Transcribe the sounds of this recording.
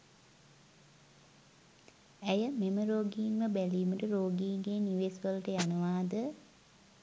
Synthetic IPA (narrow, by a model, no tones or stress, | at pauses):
æjəmeməɾoːɡiːnməbæliːməʈəɾoːɡiːɡeniʋeːsʋələʈəjanəʋaːd̪ə